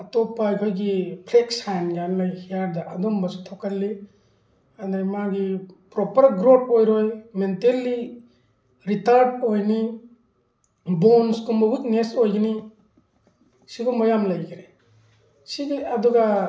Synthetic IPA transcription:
atɔpajkʰojɡipʰleksajnɡanlajhijaɾdaʔɐdɔmbasutʰːɔkalːi | andaɾmaɡipɾɔpɐɾɡɾot̚ojɾojmentelːi | ɾitaɾdojni | bonskumbɐɡut̚nesojɡini | sibɔmɔjamlajɡiɾe | siɡiadɔɡa

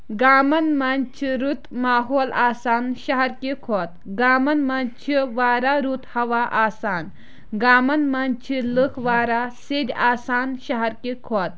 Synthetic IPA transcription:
ɡaːmɐnmɐnt͡ʃʰiɾut̪maːɦoːlaːsaːnʃɐɦɐɾkikʰoːt̪ɡaːmɐnmɐnt͡ʃʰiʋaːɾaɾut̪hɐʋaʔaːsaːn | ɡaːmɐnmant͡ʃʰilɨkʰʋaːɾased̪ʲaːsaːnʃɐɦɐɾkikʰoːt̪̚

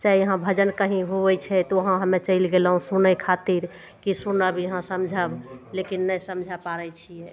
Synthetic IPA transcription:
t͡ʃaiəɦãbʱəd͡ʒənkəɦĩɦobɛt͡ʃʰɛt̪ɔəɦãɦəmet͡ʃəɪlɡelɦũsunəkʰat̪iɾ | kisunəbjəɦãsəmd͡ʒʱəblekinːəjsəmd͡ʒʱapaɾɛt͡ʃʰijɛ

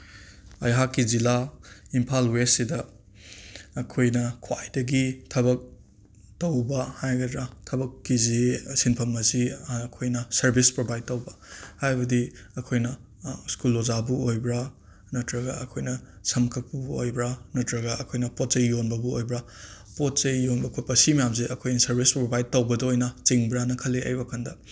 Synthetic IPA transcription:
ɐjɦakːizilaimpʰalwesidɐ | kʰojnɐkʰwajdɐɡitʰɐbɐk̚ | tɐwbɐhajɡɐdɾatʰɐbɐkːizisinpʰɐmɐzikʰojnɐsɐɾbispɾobʱajd̚tɐwbɐhajbɐdiɐkʰojnɐ | skulozabuojbɾa | nɐtɾɐɡa̰ɐkʰojnɐsɐmkʰɐk̚puo̰jbɾanɐtɾɐɡɐʔɐkʰojnɐpot̚t͡ʃɐjːonbɐbuojbɾa | pot̚t͡ʃɐjːonbɐkʰojpɐsimɐjamziʔɐkʰojnɐsɐɾbʱispɾobajd̚tɐwbɐdɐojnɐt͡ʃiŋbɾanɐkʰɐlːeɐ̰jbɐkʰɐndɐ

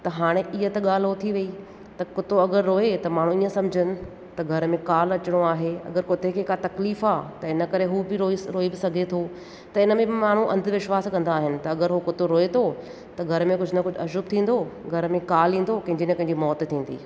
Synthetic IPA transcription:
t̪ɐɦaːɽ̃eʔɪɦət̪ɐɠaːl̤ot̪ʰiʋɐi | t̪ɐkʊt̪oɐɡəɾːoːet̪ɐmaːɽ̤̃ũiːə̃sɐ̃md͡ʑʱənɪ̆ | t̪ɐɡʱɐɾmẽkaːlɐt͡ɕɪɽ̃oaːɦeɐ̰ɡəɾkoːt̪ʰekʰekat̪ɐkliːfaːt̪ɐɪnə̆kɐɾeɦuːbɪɾoɾoːibɪsɐɡʱet̪ʰo | t̪ɐɪnəmẽbmaːɳ̤̃ũʔɐ̰̃nd̪ʋɪʃwaːskɐ̃nd̪aːɦɪnɪ̆t̪ɐɐɡəɾɦukʊt̪oɾoːet̪ʰo | t̪ɐɡʱɐɾəmẽkʊd͡ʑʱnɐkʊd͡ʑʱɐʃʊb̚t̪ʰĩːn̆d̪oɡʱɐɾmẽkaːlĩːn̆d̪okɐ̃ɦɪ̃ɲd͡ʑinẽpɐ̃ɦɪ̃ɲd͡ʑimɔːt̪t̪ʰĩːn̆d̪ḭː

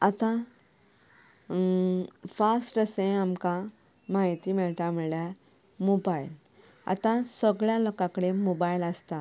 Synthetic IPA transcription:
at̪ã | fasʈəsẽamkã | maɦit̪imeɭʈamiɭja | mobajl | a̰t̪ãsəɡɭjalokãkəɽemobajiləst̪a

